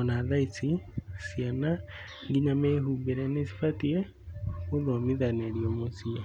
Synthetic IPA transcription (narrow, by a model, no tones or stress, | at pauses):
ɔnaðait͡sisiana | ŋɡiɲameɦuːmbeɾɛnesi̥fatiɛ | koðomiðaneɾiomosiɛ